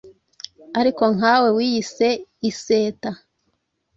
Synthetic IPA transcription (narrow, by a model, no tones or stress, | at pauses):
aɾiko̞ŋɦawe̞wiːjise̞ise̞ːta